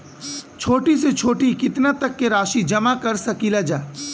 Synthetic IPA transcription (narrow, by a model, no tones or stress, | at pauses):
t͡ʃʰoːʈiset͡ʃʰoːʈikɪt̪nat̪ɐkːeɾaːʃid͡ʒɐmakɐɾsɐkilad͡ʒaː